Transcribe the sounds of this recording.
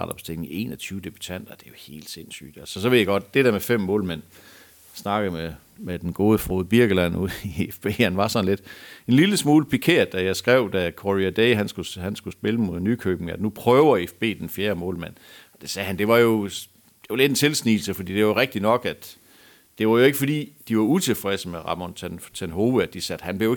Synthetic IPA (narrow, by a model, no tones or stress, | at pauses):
ɑ̰d̥ɒ̽b̥sdt͡se̝ŋe̝̰ːnɒt͡sʰyːʊəd̥e̝b̥y̥t͡sʰæn̰d̥ɐd̥e̝jo̝he̝̰ːld̥se̝n̰sy̰ːd̥ɒsɒ̽sɒʋe̝̰jɑɡ̥ɒ̽d̥̚d̥e̝d̥eɐmefem̰mɔ̰̽ːlmen̰ | snɑ̈ɡ̥ðme | med̥enɡ̥o̝ːð̞ˠəfʁoːðˠb̥iɐɡ̥əlæn̰uð̰ˠiefb̥e̝̰ːhænʋɑ̈sɒ̽n̩le̝d̥e̝nliləsmuːləpʰikʰe̝ɐ̰d̥æjɑ̈ɪsɡ̥ʁɛʊ̰d̥ækʰoʁiæd̥eɪɦænsɡ̥ushænsɡ̥usb̥e̝ləmoðˠenykʰøːb̥n̩æd̥nupʰʁœːʊɐefb̥e̝̰ːd̥enfjeːɐmɔ̰̽ːlmæn̰ | ɒ̽d̥esɛːhænd̥e̝ʋɑ̈jo̝ | d̥e̝ʋɑle̝d̥ent͡sʰe̝lsnḭːl̩səfɒd̥ḭːd̥e̝ʋɑjoʁɛɡ̥̚d̥inɒ̽ɡ̥æd̥ | d̥e̝ʋɑ̈jo̝e̝ɡ̥əfɒ̽d̥ḭːd̥iʋɑ̈ut͡sʰe̝lfʁɛsəmeʁɑ̰̈mɒnt͡sʰent͡sʰenɦo̝ːʋˠəæd̥isæd̥hænb̥lejoe